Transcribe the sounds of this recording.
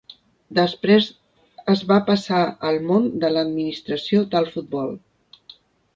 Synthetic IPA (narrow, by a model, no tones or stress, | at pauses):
d̪əspɾez | əzβapəsaəlˠmond̪ələd̪minist̪ɾəsiod̪əlˠfut̪̚bɔlˠ